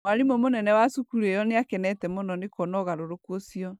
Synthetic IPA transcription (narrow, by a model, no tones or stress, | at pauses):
mwaɾimomonɛnɛwasukuɾuejɔneakɛnɛtɛmɔnɔnekɔnɔɣaɾoɾokuosiɔ